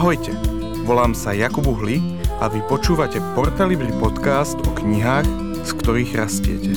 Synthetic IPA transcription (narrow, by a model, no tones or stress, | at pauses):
ɦɔjcɛ | ʋɔlaːmsajakubuɦli | ʔaʋipɔt͡ʃuːʋacɛpɔɾt̪aliblipɔt̪kaːst̪ɔkɲiɦaːx | skt̪ɔɾiːɣɾascɪɛ̰cɛ